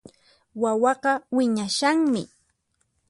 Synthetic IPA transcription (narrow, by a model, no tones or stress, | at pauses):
wawɑɢɑwɪɲaʃaŋmɪ̰